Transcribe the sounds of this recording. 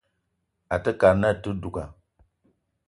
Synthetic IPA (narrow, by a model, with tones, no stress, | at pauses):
a˨tə˦ka˨ɾna˦˨tu˦du˨ka˨